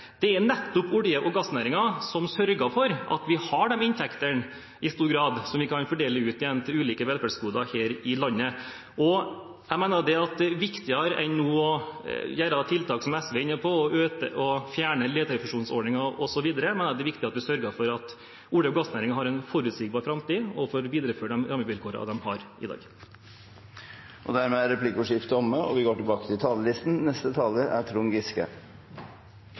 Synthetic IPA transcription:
d̪̥ɛænɛt̪ːʊpʊɽjəʔɔɡɑsnæːɾɪŋɑsɔmsœɾɡɑfɔɾʔɑ̰t̪ʋɪhɑɖɛmɪnt̪ʰɛkt̪əɳ | ɪst̪uːɾɡɾɑːd̪sɔmʋɪkʰɑnfɔɖeːləʉːt̪ɪjɛnːt̪ʰɪlʉːliːkəʋɛlfæɖskuːd̪ɑheːɾɪlɑnːə | ʔɔ | æɪmæɪnɑɖ̪ɛɑt̪̚d̪ɛʋɪkt̪ɪɑɾʔɛ̰nːuːɔjæːɾɑt̪ʰɪlt̪ʰɑːksɔmɛsʋɛɪnːəpʰɔɔʔøːt̪ə̰ʔɔfjæːɳəleːt̪ʰəɾəfʉʂuːnsɔɖɳɪŋɑɔsɔʋiːd̪əɾəmɛɪnɑd̪ɛʋɪkt̪ɪɑt̪̚d̪ɪsœɾɡɑfɔɾɑt̪ | ʊɖəɡɑsnæːɾɪŋɑɦɑɾɛnfɔɾʉːt̪siːk̚bɑːɾfɾɑmt̪iːɔfoːɾʋiːd̪ɾəføːʈɖɛmɾɑmːəʋɪlkʰoːɾə̰ɑ̰ʋd̪ɛmhɑɾʔɪ̰d̪ɑ̰ːɡ | ʔɔ̰d̪æɾmɛæɾɛpʰlɪkʊʂɪft̪əɔməɔ̰ʋɪɡoːʈɪlbɑːkət̪ɪlt̪ʰɑːləlɪst̪n̩nɛst̪ət̪ʰɑːləɾæ̰ʈʰɾuːnɡɪskə̰

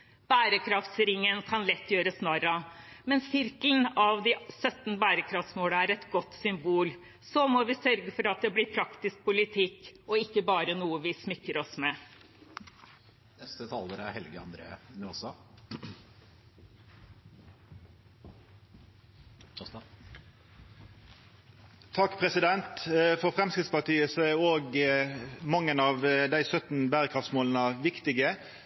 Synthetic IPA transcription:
b̥æːɾəkʰɾɑft̪sɾɪŋːənkʰɑnlɛt̪ːjøːɾəsnɑːɾɑmɛnssɪɾklnɑʋd̪ɪsœt̪nbæːɾəkʰɾɑft̪smoːləæɾɛt̪ɡɔt̪ːsʏmbuːl | sɔmɔʋɪsœɾɡəfɔɾɑt̪̚d̪ɛblɪpʰɾɑkt̪ɪsk̚pʰʊlɪt̪ʰɪkːɔɪkːəbɑːɾənuːəʋɪsmɪkːəɾɔsmɛ | nɛst̪ət̪ʰɑːləɾæ̰ɾhɛlɡəɑ̰nd̪ɾḛːənɔsɑ | t̪ʰɑkːpʰɾɛsɪd̪ɛnt̪fɔɾfɾɛmskɾɪt̪spɑʈiːəsɔæɾoːɡ | mɑŋːənɑʋd̪æɪsœt̪n̩bæːʁəkʰɑfsmoːlənəʋɪkt̪ɪɡə

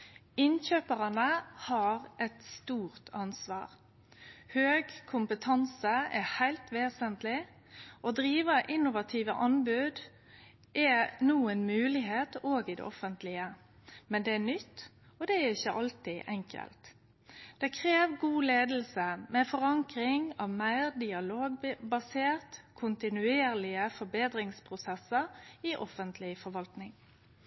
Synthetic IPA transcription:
ɪnçøːpəʁɑnəhɑʁʔɛt̪st̪uːʁt̪ʰɑnsʋɑ̰ːʁ | høːɡkʰʊmpət̪ʰɑnsəɛhæɪlt̪ʰʋeːsənt̪lɪ | ʔɔd̪ɾiːʋəʔɪnːʊʋɑt̪ʰiːʋəʔɑnbʉd̪ | ʔɛnuːənmʉːlɪɦeːt̪oːɡɪd̪ɛ̰ʔɔfənt̪lɪə | mɛnd̪ɛænʏt̪ː | ɔd̪ɛæɾɪçəʔɑlt̪ɪʔɛŋkʰə̰lt̪ | d̪̥ɛkʰʁeːʋɡuːleːd̪l̩səmɛfɔʁɑŋkɾɪŋɑʋmæɪʁd̪ɪɑloːɡbɑseːʁt̪kʰʊnt̪ɪnʉeːʁlɪəfɔbeːd̪ɾɪŋspʰʁʊsɛsəɾiʔɔ̰fənt̪ʰlɪfɔɾʋɑlt̪nɪŋ

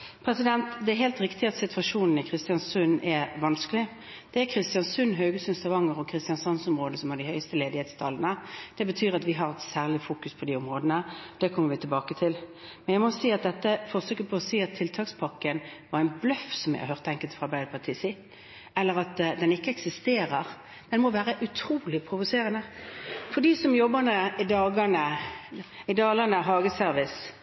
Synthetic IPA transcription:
pʰɾɛsɪd̪ɛnt̪d̪ɛɦɛːlt̪ɾɪkt̪ɪɑt̪sɪt̪ʋɑʂuːnn̩ɪkʰʁɪst̪ɪɑnsʉnʔɛʋɑnskəlɪ | d̪̥ɛækʰɾɪst̪ɪjɑnsʉnɦœʉɡəsʉnst̪ɑʋɑŋːəʁɔkʰɾɪst̪jɑnsɑnsɔmʁoːd̪əsɔmhɑd̪ɪhœʏst̪əleːd̪ɪheːt̪st̪ʰɑːlːənəd̪̥ɛbət̪ʰyːɾɑt̪ʋɪɦɑɾɛt̪sæːʁlɪfuːkʉspʰɔd̪iːɔmʁoːd̪ənəd̪ɛkʰɔmːəɾʋɪt̪ʰɪlbɑːkət̪ʰɪlmɛnjæɪmɔsiːɑt̪̚d̪ɛt̪ːəfɔʁsøːkəpʰɔːsiːɑt̪ʰːɪlt̪ʰɑːkspʰɑkːənʋɑʁæɪnblœfsɔmjæ̰hɑ̰hœʁt̪ːəɛŋkəlt̪fʁɑbæɪd̪əpʰɑt̪ʰiːsi | ɛlːəʁɑt̪d̪ɛnɪkːəɛksɪst̪eːʁəʁ | d̪ɛnmɔʋæːʁəʔʉt̪ʰɾuːlɪpʰɾʊʋʊseːʁənəfɔd̪iːsɔmjɔbːənəɪd̪ɑːɡənə | ɪd̪ɑːlənəɦɑːɡəsœɾʋɪs

